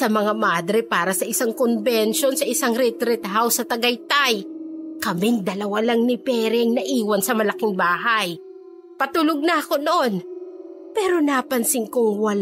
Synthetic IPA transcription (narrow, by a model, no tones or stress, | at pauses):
sɐmɐŋamad̪ɾɪpaːɾɐsɐʔɪsaŋkonbɛnʃo̞nsɐʔɪsaŋɾɪt̪ɾɪt̪ɦawsɐt̪ɐɡɐjt̪ajkɐmɪŋd̪ɐlɐwalaŋnɪpɛːɾɪɐŋnɐʔiːwɐnsɐmɐlɐkɪŋbaːɦaj | pɐt̪uːloɡ̚nɐʔɐko̞noʔo̞n | pɛːɾo̞napɐnsɪŋkoŋwɐl